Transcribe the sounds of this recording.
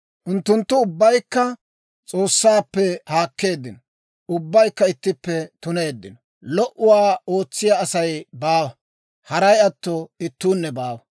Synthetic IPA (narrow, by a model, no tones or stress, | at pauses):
ʔʊnt̪ːʊnt̪ːʊʊbːɐjkːɐ | t͡sʼo̞ːsːaːpːɛhaːkːe̞ːd̪ːɪnɔ | ʊbːɐjkːɐɪt̪ːɪpːɛt̪ʊne̞ːd̪ːɪnɔ | lɔʔʊwaːo̞ːt͡sːɪjaɐsɐjbaːwɐ | hɐɾɐjɐt̪ːɔɪt̪ːuːnːɛbaːwɐ